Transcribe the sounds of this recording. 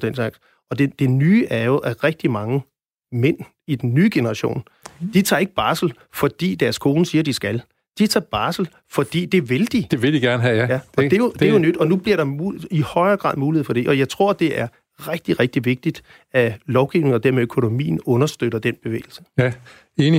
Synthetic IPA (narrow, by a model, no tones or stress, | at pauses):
d̥ensɑ̈ɡ̥s | ɒ̽d̥ed̥e̝nyːʔæɐjoʔæʁɛɡ̥̚d̥imɑ̈ŋə | men̰ | id̥en̩ːyːɡ̥e̝nɐʁɑ̈ɕo̝̰ːn | d̥it͡sʰɑ̈ːe̝ɡ̥əb̥ɑ̈ːsl̩ | fɒ̽d̥ḭːd̥æɐskʰo̝ːnəsiːɐd̥isɡ̥æl | d̥it͡sʰɑ̰̈ːb̥ɑ̈ːsl̩ | fɒ̽d̥ḭːd̥e̝ʋe̝ld̥id̥e̝ʋe̝d̥iɡ̥æɐnəɦɛjæɒ̥ejode̝jonød̥ɒ̽nub̥liɐɾɑ̈uihɒ̽ɪɐːɡ̥ʁɑ̰ð̰ˠmuːliheð̩̰ˠfɒ̽d̥e̝ʔɒ̽jɑ̈ɪt͡sʰʁo̝ɐ̰d̥e̝ʔæɐ | ʁɛɡ̥̚d̥iʁɛɡ̥̚d̥iʋe̝ɡ̥̚d̥id̥ | ælɒʊɡ̥iʊne̝ŋɒd̥æɐmeøkʰo̝no̝mḭːn̩ɔ̽nɐsd̥øɾ̥ɐd̥en̰b̥e̝ʋḛːl̩sə | eːni